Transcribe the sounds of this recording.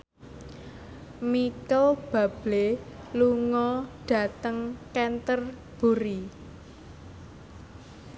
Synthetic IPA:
mikəb̥ä̤b̥le | luŋɔɖ̥ä̤t̪əŋkɛnt̪ər | b̥ṳɾi

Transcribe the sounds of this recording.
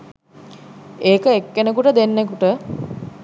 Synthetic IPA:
eːkəekːenəkuʈəd̪enːekuʈə

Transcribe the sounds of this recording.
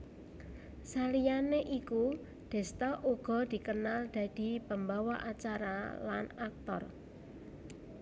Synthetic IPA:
salijaneʔiku | d̪̥ɛ̤st̪aʔuɡ̥ɔ̤d̪̥i̤kənald̪̥ä̤d̪̥i̤pəmbawa̰ʔat͡ʃaɾa̰la̰nak̚t̪ɔ̰r

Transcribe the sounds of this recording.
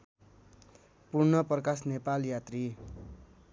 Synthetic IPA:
purnʌprʌkasnepaljat̪ri

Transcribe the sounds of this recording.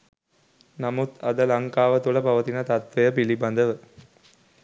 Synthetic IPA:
namut̪ɐd̪əlɐŋkaːʋət̪ulɐpɐʋɐt̪inɐt̪at̪ʋejəpilibɐnd̪əʋə

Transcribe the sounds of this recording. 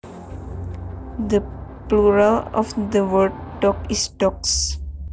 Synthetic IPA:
d̪əpluɾəlɔ̰fd̪əʋəɾɖʈɔkɪsʈɔks

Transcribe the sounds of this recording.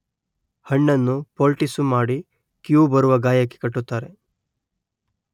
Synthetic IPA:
hɐɳːɐnːupoːlʈisumaːɽi | kjuːbɐɾuʋɐɡaːjɐkːekɐʈːut̪ːaːɾe

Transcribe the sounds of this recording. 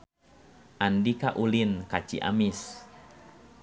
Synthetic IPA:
ʔandikaʔulinkat͡ʃḭʔa̰mis

